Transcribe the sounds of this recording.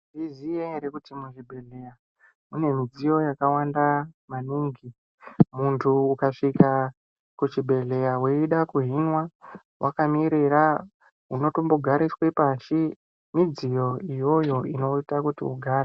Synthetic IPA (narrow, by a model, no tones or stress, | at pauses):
ʐizieɾekutimuʐibʱe̞ɮe̞ja | une̞mid͡zijo̞jakawandamaniːŋɡi | muntʰuːkaʂika | kut͡ʃibʱe̞ɮe̞jaweiɗakuɦinwa | wʔa̰kamiɾiɾa | ɦuno̞tomboɡʱaɾiswepaʃi | mid͡zijo̞ijo̞jo̞ino̞itakutḭuɡʱaːɾa